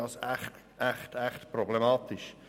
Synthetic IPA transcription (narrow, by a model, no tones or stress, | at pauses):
ɑsæχt | ʔæχtʰæχtpɾɔblemɑːt̪ɪʃ